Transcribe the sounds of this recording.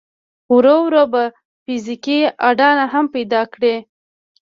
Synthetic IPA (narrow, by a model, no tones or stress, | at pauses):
wɾowɾoba | fizikiaɖɑnaɦampajd̪ɑkɽe